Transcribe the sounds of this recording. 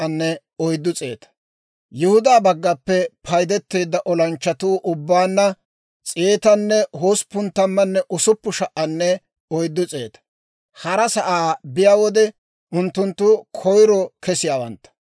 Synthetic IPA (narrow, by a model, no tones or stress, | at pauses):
ɐnːɛ | ɔjd̪ːʊt͡sʼeːt̪ɐ̥ | jʊhʊd̪aːbɐɡːɐpːɛpʰɐjd̪ɛt̪ːe̞ːd̪ːɐʔɔlɐnt͡ʃːɐt̪uːʔʊbːaːnːɐ | t͡sʼeːt̪ɐnːɛhoːspʊnt̪ːɐmːɐnːɛʔʊsʊpːʊʃɐʔːɐnːɛ | ɔjd̪ːʊt͡sʼe̞̰ːt̪ɐ̥ | hɐɾɐsɐʔaːbɪjaːwɔd̪ɛ | ʊnt̪ːʊnt̪ːʊkʰɔjɾɔkɛsɪjaːwɐ̰nt̪ːɐ̥